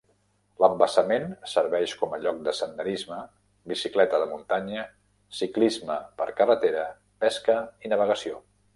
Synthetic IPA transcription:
ləmbəsəmensəɾβɛʃkɔməʎɔk̚d̪əsənd̪əɾizmə | bisiklɛt̪əðəmunt̪aɲə | siklizməpəɾkərət̪eɾə | pɛskəinəβ̞əɣ̞əsio

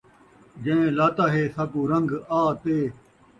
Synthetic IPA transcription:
d͡ʒẽẽlaːt̪aːɦeːsɐbũːɾɐ̃ŋɡaːt̪eː

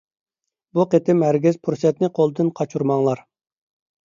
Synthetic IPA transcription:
buqet̪ɪmhæɾɡʲizpʰuɾsɛt̪nɪqʰolˠɨd̪ɨnqʰɑt͡ʃʰuɾmɑŋlˠɑɾ

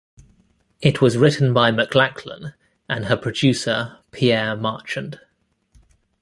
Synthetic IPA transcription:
ɪʔʰwɒzɹɪʔn̩baɪməkʰlakʰlə̰̃n | ʔə̃nəpʰɹ̥əd͡ʒʉˑsəpʰiɛːmɑˑt͡ʃə̃nd̥

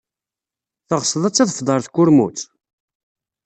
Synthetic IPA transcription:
θəʁsəðˤæt͡sːæðəfd̪ˤəɾθkːʊɾmṵt͡s

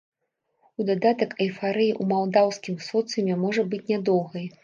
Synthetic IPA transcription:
ud̪ad̪at̪ɐkɐjfaɾɨjiʔumalˠd̪awsʲkʲimsɔt̪sɨmʲɛmɔʐɐbɨt͡sʲnʲad̪ɔwɣɐj

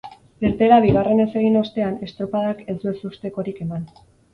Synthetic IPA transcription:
eɾt̪e̞ɾaβiɣ̞are̞ne̞se̞ɣ̞ino̞st̪e̞ane̞st̪ɾopaðake̞sue̞sust̪e̞ko̞ɾike̞man

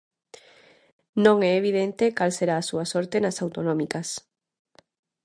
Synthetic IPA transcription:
nõŋɛeβiðent̪ekalseɾaːsuasoɾt̪enasawt̪onõmikas

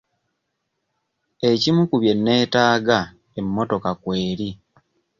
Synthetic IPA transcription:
e̞cimukuβje̞nːe̞ːtaːɡa | emːo̞to̞kakwe̞ːɾi

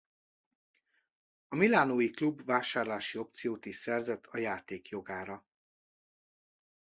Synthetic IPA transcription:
ɒmilaːnoːjiklubvaːʃaːrlaːʃio̞pt̪sijoːt̪iʃsɛrzɛt̪ʰɒjaːt̪eːkjo̞ɡaːɾɒ

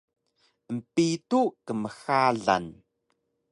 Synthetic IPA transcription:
əm̩pitukəməxaɮa̰n

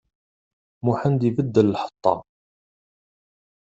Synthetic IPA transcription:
muħənd̪ivəd̪ːəlːħə̥t̪ˤːɑ̰

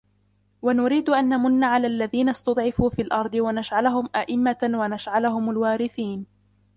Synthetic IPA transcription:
wanʊɾiːd̪ʊʔanːamʊnːaʕalaːlːaðiːnast̪ɑd̪ˤʕɪfuːfiːlʔɑɾˤd̪ˤɨwanaʃʕalʊɦʊmʔaʔɪmːawanaʃʕalʊɦʊmalwaːɾɪθiːn

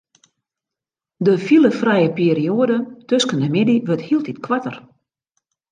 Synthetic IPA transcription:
dəfilˠəfrɛjəpiːəɾioədətøskəndəmɪdiʋøthiəlˠtitkʰʋatər

